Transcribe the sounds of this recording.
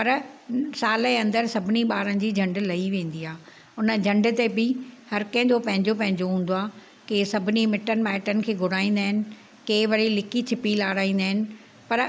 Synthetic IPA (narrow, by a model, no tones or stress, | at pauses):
pɐɾsaːleɐ̃nd̪əɾsɐbʱɪniɓaːɾən̆d͡ʑiːd͡ʑʱɐ̃ɳɖlɐiʋẽːn̆d̪iaː | ʊnə̆d͡ʑʱɐ̃ɳɖt̪ebɪhɐɾkɐ̃ɦɪ̃d͡ʑopɐ̃ɦɪ̃ɲd͡ʑopɐ̃ɦɪ̃ɲd͡ʑoɦũːn̆d̪oaː | kesɐbʱɪnimɪʈən̆mɛːʈənɪ̆kʰeːɡʱʊɽ̤aːĩːn̆d̪aːɦɪnɪ̆ | keːʋɐɾilɪkit͡ɕʰɪpilaːɽaːĩːnd̪aːɦɪnɪ̆ | pɐɾ